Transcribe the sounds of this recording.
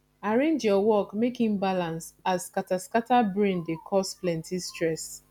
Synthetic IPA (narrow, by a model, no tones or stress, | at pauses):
aɹẽnd͡ʒjɔwɔkmekhĩmbalãnsaskataskatabɹẽndekʰɔsflɛ̃ntʰistɹɛs